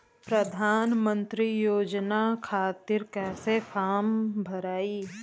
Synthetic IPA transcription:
pɾɐd̪ʱaːnmə̃nt̪ɾijoːd͡ʒnakʰaːt̪ɪɾkɛːsefʰaːmbʱɐɾaːi

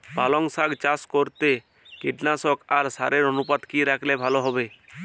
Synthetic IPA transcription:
balɔŋsaɡt͡ʃaskɔɾt̪e | kiʈnasɔkaɾsaɾeɾɔnupat̪kiɾakʰlebʱaloɦɔbe

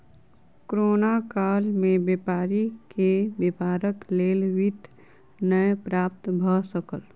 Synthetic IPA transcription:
kɾoːnakaːlmẽbjepaːɾikebepaːɾəkleːlwɪt̪ | nəjpɾaːp̚t̪bʱəsəkəl

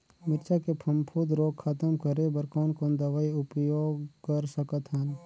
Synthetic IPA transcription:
mɪɾt͡ʃʰakepʰɐmpʰuːd̪ɾoːɡkʰɐt̪əmkəɾebəɾkɔːnkoːnd̪ɐʋaːiʊpjoːɡkəɾsəkət̪ɦən

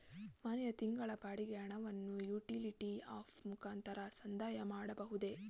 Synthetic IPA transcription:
mɐnɛjɐt̪iŋɡɐɭɐbaːɽiɡeɐɳɐʋɐnːujuːʈiliʈiaːpmukʰaːnt̪ɐɾɐsɐnd̪aːjɐmaːɽɐbɐɦud̪e̞

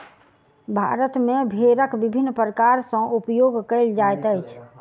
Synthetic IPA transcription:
bʱa̰ɾət̪mebʱeɾəkbibʱinːpɾəkaɾsə̃ʔupjoɡkəɪld͡ʒajt̪əjt͡ʃʰ

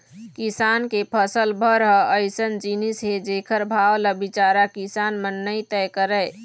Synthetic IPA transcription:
kisankepʰəsəlbʱəɾɦəəjsənd͡ʒinisɦed͡ʒekʰəɾbʱawləbit͡ʃaɾakisanmənːəjt̪ɛjkəɾəj

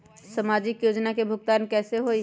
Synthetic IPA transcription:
səmaːd͡ʒɪkjoːd͡ʒnakebʱʊɡ̚t̪aːnkɛːseɦoi

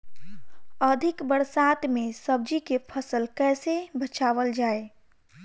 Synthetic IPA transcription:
əd̪ʱikbəɾsat̪mesəb̚d͡ʒikepʰəsəlkɛːsebət͡ʃaʋəld͡ʒae

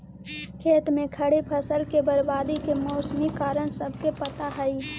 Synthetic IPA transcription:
kʰeːt̪mẽkʰəɽepʰɐsəlkebəɾbaːd̪ikemɔːsmikaːɾəɽ̃səbʱkepət̪aɦəi

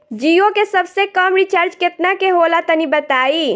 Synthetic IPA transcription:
d͡ʒiokesəbsekəmɾit͡ʃaɾd͡ʒket̪nakeɦolat̪ənibət̪ai

